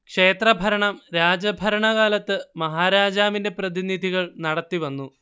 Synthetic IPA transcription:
kʂe̞ːt̪rɐbʱɐɾɐɳɐmɾaːd͡ʑɐbʱɐɾɐɳɐɣaːlɐt̪ːɨmɐɦaːɾaːd͡ʑaːminde̞prɐðinid̪ʱiɣɐɭnɐɽɐt̪ːiʋɐnːu

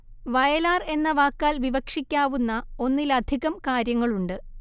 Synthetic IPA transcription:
ʋɐjɐlaːre̞nːɐʋaːkːaːlʋiʋɐkʂikʲːaːʋunːɐo̞nːilɐd̪ʱiɣɐmkaːɾjɐŋːɐɭuɳɖɨ

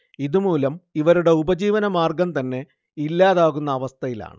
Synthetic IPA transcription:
iðumuːlɐmiʋɐɾuɽe̞ubɐd͡ʑiːʋɐnɐmaːrɡɐmt̪ɐnːe̞ | ilːaːðaːɣunːɐːʋɐst̪ʰɐjila̰ːɳɨ

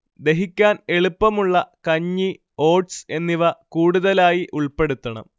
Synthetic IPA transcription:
d̪e̞ɦikʲːaːne̞ɭupːɐmuɭːɐkɐɲːi | o̞ːʈse̞nːiʋɐkuːɽuðɐlaːjiʔuɭpe̞ɽut̪ːɐɳɐ̰m

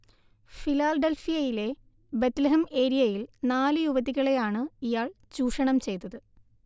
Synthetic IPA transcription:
filaːɖelfijɐjile̞ | bet̪lɐɦɐme̞ːɾijɐjilnaːlɨjuʋɐðiɣɐɭe̞jaːɳɨijaːɭ | t͡ɕuːʂɐɳɐmt͡ɕe̞jt̪ːɐðɨ

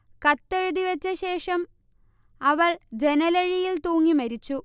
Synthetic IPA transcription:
kɐt̪ːeɻuðiʋet͡ɕːɐɕe̞ːʂɐm | ɐʋɐɭd͡ʑe̞nɐleɻijilt̪uːŋːimɐɾit͡ɕːu

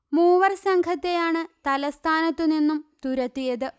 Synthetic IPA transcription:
muːʋɐrsɐŋkʰɐt̪ːe̞jaːɳɨt̪ɐlɐst̪ʰaːnɐt̪ːuninːumt̪uɾɐt̪ːijɐðɨ

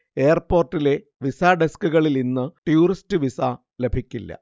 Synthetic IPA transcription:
e̞ːɐrpo̞ːrʈːile̞ | ʋisaːɖeskuɣɐɭilninːɨʈjuːristɨʋisa | le̞bʱikʲːilːɐ̰

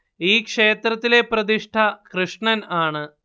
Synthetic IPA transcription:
iːkʂe̞ːt̪rɐt̪ːile̞prɐd̪iʂʈʰɐkrɨʂɳɐnaːɳɨ

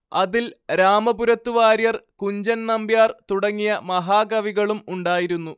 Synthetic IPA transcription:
ɐðilɾaːmɐbuɾɐt̪ːuʋaːɾjɐrkuɲd͡ʑɐnnɐmbijaːrt̪uɽɐŋːijɐmɐɦaːɡɐʋiɣɐɭumuɳɖaːjiɾunːu

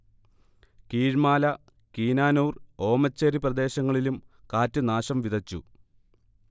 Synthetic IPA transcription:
kiːɻmaːlɐ | kiːnaːnuːro̞ːmɐt͡ɕːeɾiprɐd̪e̞ːɕɐŋːɐɭilumkaːtːɐnaːɕɐmʋid̪ʱɐt͡ɕːṵ

